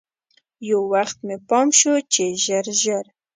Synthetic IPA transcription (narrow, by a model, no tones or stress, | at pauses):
jawwaxt̪mepɑmʃot͡ʃeʒəɾʒəɾ